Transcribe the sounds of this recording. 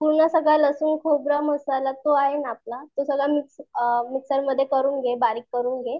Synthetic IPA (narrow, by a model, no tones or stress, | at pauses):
puɾɳasəɡɭaləsuːnkʰobɾəməsalat̪oaɦenap̚lat̪osəɡɭamiksmiksəɾməd̪ʱːjekəɾuːnɡʱebaɾiːkːəɾuːnɡʱe